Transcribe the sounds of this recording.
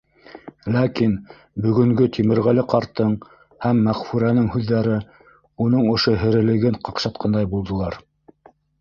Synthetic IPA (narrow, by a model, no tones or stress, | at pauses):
lækin | bɵ̆ɡɵ̆ŋɡɵt̪ʰimɘ̆ɾʁælɘqɑɾt̪ːɤɴ | hæmːæʁfʉɾænɘŋhʉðːæɾɘ | unɤɴŏʃoɦɘ̆ɾɘ̆lɘ̆ɡɘɴqɑqʃɑt̪qʰɑnd̪ɑjbulˠd̪ɤ̆lˠɑɾ